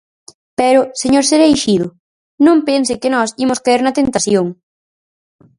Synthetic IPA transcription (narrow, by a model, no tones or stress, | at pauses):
pɛɾʊseɲoɾseɾejʃiðʊ | nõmpensɪkɪnɔsimʊskaiɾnɐt̪ent̪aθjoŋ